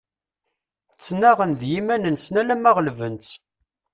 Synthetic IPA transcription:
t͡sːnæʁənðjimænənsnælæmæʁlvənt͡s

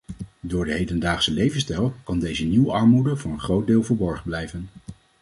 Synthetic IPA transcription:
dʊːɹdəɦejdəndaːχsəlejvənstɛlˠkɑndejzəniwəɑɹmudəvɑnənχrowd̚dɪːlˠvəɹbɔɹχənblɛjvən

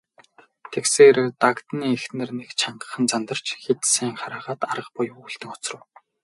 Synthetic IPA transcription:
t̪ʰekseːɾet̪akt̪niːexnɘ̆rnekt͡ɕʰaɴɢə̥̆χə̆nt͡samnt̪ə̆r̥t͡ɕxet̪sæːŋχaɾaːʁaːt̪aɾə̆q̚pʊjuɬt̪ɘ̆ŋʊt͡srə̆w

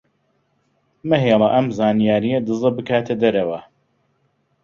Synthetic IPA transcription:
mɐɦeːlˠɐʔɐmzaːnijaːɾijɐd̪ɨzˤɨbɨkʰaːt̪ʰɐd̪ɐɾɐwɐ

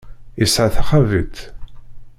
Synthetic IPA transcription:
isʕaθaχævḭt̪

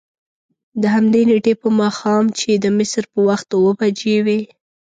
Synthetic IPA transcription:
d̪əɦamd̪eneʈepəmɑxɑmt͡ʃed̪əmɪsɾpəwaxt̪wəbad͡ʒewe

